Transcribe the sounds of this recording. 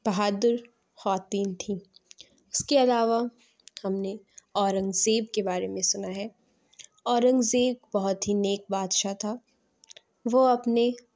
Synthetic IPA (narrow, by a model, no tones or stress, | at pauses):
b̥ɐɦaːd̪ʊɾ | hɔːt̪iːnt̪ʰi | ʊskeɐlaːʋa | hɐmneɔːɾə̃ŋɡzeːbkebaːɾemẽsʊnaɦɛː | ɔːɾə̃ŋɡzeːb̚bɐɦʊt̪ɦineːk̚baːd̪ʃat̪ʰa | ʋoɐpne